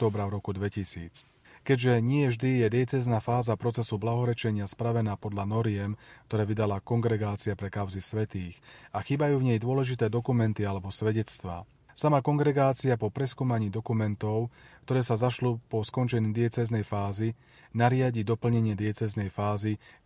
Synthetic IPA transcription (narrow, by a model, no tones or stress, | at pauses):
t̪ɔːbɾaʊɾɔkud̪ʋɛcisḭːt͡s | kɛɟʒɛɲɪɛʒd̪ijɛd̪ɪɛt͡sɛznaːfaːzapɾɔt͡sɛsublaɦɔɾɛt͡ʃɛɲɪaspɾaʋɛnaːpɔd̪ʎanɔɾɪɛmk̚t̪ɔɾɛːʋid̪alakɔŋɡɾɛɡaːt͡siapɾɛkaʊzisʋɛt̪iːxaxiːbajuːvɲɛjd̪ʊɔlɛʒit̪ɛːd̪ɔkumɛnt̪ialɛbɔsʋɛɟɛt͡st̪ʋa̰ː | samakɔŋɡɾɛɡaːt͡siapɔpɾɛskuːmaɲiːd̪ɔkumɛnt̪ɔʊkt̪ɔɾɛːsazaʃlupɔskɔnt͡ʃɛɲiːd̪ɪɛt͡sɛznɛjfaːzi | naɾɪaɟid̪ɔpl̩ɲɛɲɪɛd̪ɪɛt͡sɛznɛjfaːzi